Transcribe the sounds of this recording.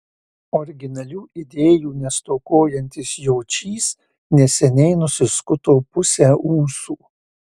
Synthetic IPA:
ɔɾʲɡʲɪnɐlʲuːʔɪd̪ʲeːjuːnʲɛst̪oːkoːjɛnʲt̪ʲɪsjoːt͡ʃʲiːs | nʲɛsʲɛnʲɛɪnʊsʲɪskʊt̪oːpʊsʲæːʔuːsuː

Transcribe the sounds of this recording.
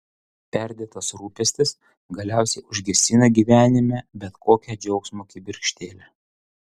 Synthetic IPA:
pʲɛɾʲd̪ʲeːt̪ɐsɾuːpʲɛsʲt̪ʲɪs | ɡɐlʲæˑʊsʲɛɪʊʒʲɡʲɛsʲɪnɐɡʲiʋʲæːnʲɪmʲɛbʲɛt̪kʰoːkʲɛd͡ʒʲɛʊksmoːkʲɪbʲɪɾʲkʲʃʲt̪ʲeːlʲɛ

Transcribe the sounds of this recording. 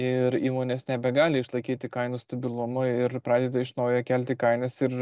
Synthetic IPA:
ɪɾiːmoːnʲeːsnʲɛbʲɛɡɑːlʲɪɪʃlˠɐɪkʲiːt̪ʲɪkɐɪnuːst̪ɐbʲɪlˠʊmɐɪrpɾɑːd̪ʲeːd̪ɐɪʃnɐʊjoːkʲɛlʲt̪ʲɪkɐɪnɐsɪɾ

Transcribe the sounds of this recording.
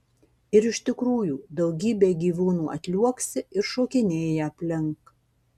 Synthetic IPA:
ɪɾɪʃt̪ʲɪkɾuːjuːd̪ɒʊɡʲiːbʲeːɡʲiːʋuːnuːɐ̰t̪ʲlʲuɔksʲɪʔɪɾʃoːkʲɪnʲeːjɛɐpʲlʲɪŋk

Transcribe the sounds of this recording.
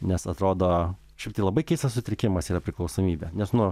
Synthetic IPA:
nʲɛsɐt̪ɾoːd̪oː | ʃʲɛɪpt̪ɐɪlˠɐbɐɪkʲɛɪst̪ɐssʊt̪ʲɾʲɪkʲɪmɐsiːɐpʲɾʲɪklˠɐʊsoːmʲiːbʲɛnʲɛsnʊ

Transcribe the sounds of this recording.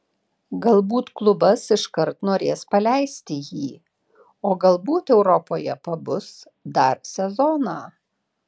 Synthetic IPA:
ɡɐlˠbuːt̪klˠʊbɐsɪʃkɐɾt̪noːɾʲeːspɐlʲæɪsʲt̪ʲɪjiː | oːɡɐlˠbuːt̪ɛʊɾɔpoːjɛpɐbʊs | d̪ɐɾsʲɛzɔːnɑː

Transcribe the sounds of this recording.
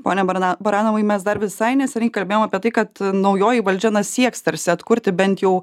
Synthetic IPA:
poːnʲɛbɐɾɑːnɐʋɐɪmʲɛs̬d̪ɐɾʋʲɪsɐɪnʲɛsʲɛnʲɐɪkɐlʲbʲeːjoːmɑːpʲiɛt̪ɐɪkɐt̪nɒʊjoːjiʋɐlʲd͡ʒʲɛnɐsʲiɛkst̪ɐɾʲsʲɪɐt̪kʊɾʲt̪ʲɪbʲɛnt̪jɛʊ

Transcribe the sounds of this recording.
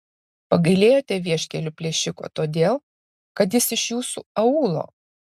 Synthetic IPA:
pɐɡɐɪlʲeːjoːt̪ʲɛʋʲiɛʃʲkʲɛlʲʊpʲlʲeːʃʲɪko̰ːt̪oːd̪ʲeːlˠ | kɐt̪jɪsɪʃjuːsuɐuːlˠo̰ː

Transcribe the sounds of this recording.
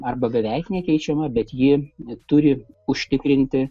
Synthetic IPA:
ɐrbɐbʲɛʋʲɛɪknʲɛkʲɛɪt͡ʃʲɛmɐbʲɛt̪jɪt̪ʊɾʲɪ | ʊʃʲt̪ʲɪkɾʲɪnʲt̪ʲɪ

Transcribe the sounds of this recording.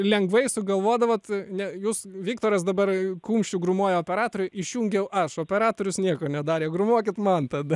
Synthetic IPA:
lʲɛŋɡʋɐɪsʊɡɐlˠʋoːd̪ɐʋoːt̪nʲɛjuːsʋʲikt̪oːɾɐsd̪ɐbɐrkuːmʲʃʲt͡ʃʲʊɡɾʊmoːjɛoːpʲɛɾɑːt̪oːɾʲʊjʔɪʃʲjuːŋʲɡʲɛʊʔɐʃoːpʲɛɾɑːt̪oːɾʲʊsnʲiɛkoːnʲɛd̪ɑːɾʲeːɡɾʊmuɔkʲɪt̪mɐnt̪ɐd̪ɐ

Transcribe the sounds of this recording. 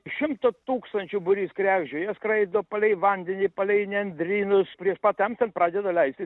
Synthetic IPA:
ʃʲɪmt̪ot̪uːkst̪ɐnʲt͡ʃʲʊbʊɾʲiːskɾʲæːɡʲd͡ʒʲoːjɛskɾɐɪd̪opɐlʲɛɪʋɐnʲd̪ʲɛnʲiːpɐlʲɛɪnʲɛnʲd̪ʲɾʲiːnʊspʲɾʲiɛʃpɑt̪ʲɛmt̪ʲɛnpɾɑːd̪ʲɛd̪ɐlʲɛɪsʲt̪ʲɪ

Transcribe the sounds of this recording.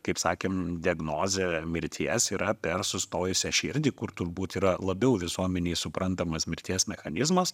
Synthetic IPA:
kɐɪpsɑːkʲeːmd̪ʲɪɐɡnoːzʲemʲɪɾʲt̪ʲʰiɛsiːɾɐpʲɛɾsʊst̪oːjʊsʲɛʃʲɪɾʲd̪ʲiːkʊɾt̪ʊɾbuːt̪iːɾɐlˠɐbʲɛʊʋʲɪsuɔmʲɛnʲɛɪsʊpɾɐnt̪ɐmɐsmʲɪɾʲt̪ʲiɛsmʲɛxɐnʲɪzmɐs

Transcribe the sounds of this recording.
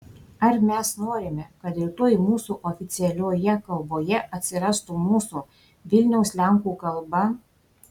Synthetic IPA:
ɐɾmʲɛsnoːɾʲɪmʲɛkɐt̪ɪt̪oːjmuːsuʔɔfʲɪt̪sʲɪɛlʲoːjɛkɐlˠboːjɛʔɐt̪ʲsʲɪɾɑst̪uːmuːsu | ʋʲɪlʲnʲɛʊslʲæˑŋkuːkɐlˠbɐ

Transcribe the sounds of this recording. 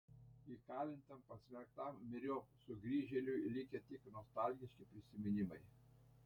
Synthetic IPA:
ikɑːlʲɪnʲt̪ʲɛmpɐsʲmʲɛkt̪ɑmːʲɪɾʲoːsʊɡɾʲiːʒʲɛlʲʊlʲɪkʲɛt̪ʲɪknɔst̪ɑˑlʲɡʲɪʃʲkʲɪpʲɾʲɪsʲɪmʲɪnʲɪmɐɪ

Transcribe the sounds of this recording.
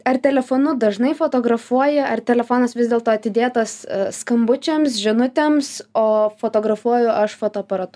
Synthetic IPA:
ɐrt̪ʲɛlʲɛfoːnʊd̪ɐʒnɐɪfoːt̪oːɡɾɐfuɔjɛɐrt̪ʲɛlʲɛfoːnɐsʋʲɪzdʲeːlˠt̪oːɐt̪ʲɪd̪ʲeːt̪ɐsskɐmbʊt͡ʃʲɛmsʒʲɪnʊt̪ʲemsoːfoːt̪oːɡɾɐfuɔjʊʔɐʃfoːt̪oːɐpɐɾɐt̪ʊ

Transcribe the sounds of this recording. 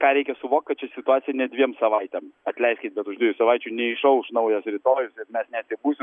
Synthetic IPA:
kɑːɾʲɛɪkʲɛsʊʋoːkt̚kɐt̪t͡ʃʲɛsʲɪt̪ʊɑːt͡s̪ʲɪjɛnʲɛdʲʋʲiɛmsɐʋɐɪt̪ʲɛmɐt̪ʲlʲɛɪsʲkʲɪt̪̚bʲɛt̪ʊʒd̪ʲiɛjusɐʋɐɪt͡ʃʲuːnʲɛɪʃɐʊʃnɐʊjɛsɾʲɪt̪oːjʊsɪɾmʲɛsnʲɛt̪sʲɪbuːsʲɪm

